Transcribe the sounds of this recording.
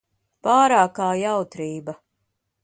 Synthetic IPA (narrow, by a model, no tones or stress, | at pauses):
paːɾaːkaːjawt̪ɾiːbɐ